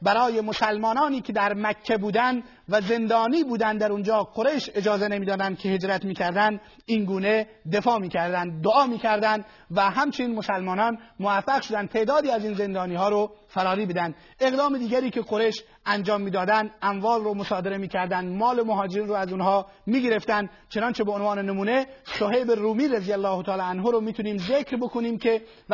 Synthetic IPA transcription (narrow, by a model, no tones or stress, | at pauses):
bæɾɒːje̞mosælmɒːnɒːniːkʰe̞d̪æɾmækʰːebuːd̪ænd̪ | væze̞nd̪ɒːniːbuːd̪ænd̪d̪æɾund͡ʒɒːqʰoɾe̞jʃe̞d͡ʒɒːzenemiːd̪ɒːd̪ænd̪̥̚kʲʰehed͡ʒɾæt̪miːkʲʰæɾd̪ænd̪ | inɡuːne̞ | d̪e̞fɒːmiːkʰæɾd̪ænd̪ːoɒːmiːkʲʰæɾd̪ænd̪ | væɦæmt͡ʃʰeniːnmo̞sælmɒːnɒnmoæfːæɣʃod̪æn̚t̪ʰe̞ːʔd̪ɒːd̪iːæziːnze̞nd̪ɒːniːhɒːɾofæɾɒːɾiːbed̪ænd̪ | e̞ɣd̪ɒːmed̪iːɡʲæɾiːkʰʲe̞qoɾeʃ | ænd͡ʒɒːmːiːd̪ɒːd̪ænd̪æmvɒːlromosɒːd̪e̞ɾemiːkʲʰæɾd̪ænd̪mɒːlemoɦɒːd͡ʒeɾiːnɾoːæzunɦɒː | miːɡe̞ɾe̞ft̪ænd̪ | t͡ʃʰe̞nɒːnt͡ʃʰe̞beonvɒːnenemuːnesoɦeːbeɾuːmiːɾezijælːɒːht̪ʰɒːlɑænɦoɾomiːt̪uniːmzekɾbo̞kʰoniːmkʲʰe